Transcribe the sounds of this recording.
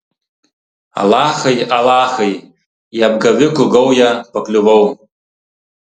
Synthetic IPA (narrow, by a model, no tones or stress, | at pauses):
a̰laχejalaːχej | jab̚ɡaɥʏkʰʷʊɡowjapʰakʼlʲuwow